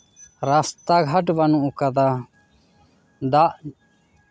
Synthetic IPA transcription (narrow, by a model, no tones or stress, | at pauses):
ɾast̪aɡʱaʈbanuʔukad̪a | d̪aʔ